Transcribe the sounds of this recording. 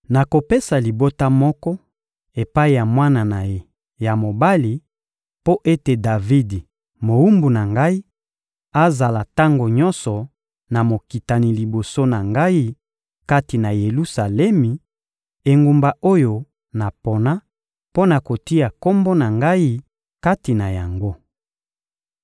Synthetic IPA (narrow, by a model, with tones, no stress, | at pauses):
na˨ko˨pe˦sa˨li˨bo˦ta˦mɔ˦kɔ˦ | e˨pa˦i˨ja˨mwa˦na˨na˨je˦ | ja˨mo˨ba˦li˨ | po˦ʔe˦te˨da˨vi˦di˨ | mo˨u˦mbu˨na˨ŋɡa˦i˦ | a˦za˨la˨ta˦ŋɡo˨ɲɔ˦nsɔ˨ | na˨mo˨ki˨ta˨ni˨li˨bo˨so˦na˨ŋɡa˦i˦ | ka˦ti˨na˨je˨lu˦sa˨lɛ˦mi˨ | e˨ŋɡu˨mba˨o˦jo˨ | na˨po˨na˦ | po˦na˨ko˨ti˦ja˨ko˦mbo˦na˨ŋɡa˦i˦ | ka˦ti˨na˨ja˨ŋɡo˦